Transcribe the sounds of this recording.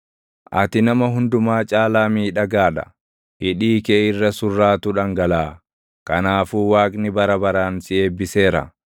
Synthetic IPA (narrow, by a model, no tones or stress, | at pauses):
ʔɐ̰t̪ɪnɐmɐɦʊnd̪ʊmaːt͡ʃʼaːlaːmiːᶑɐɡaːᶑɐ̥̰ | hɪᶑiːkeːɪrːɐsʊrːaːt̪ʊᶑɐŋɡɐlaː | kɐnaːfuːwaːkʼnɪbɐɾɐbɐɾaːnsɪeːbːɪseːɾɐ̰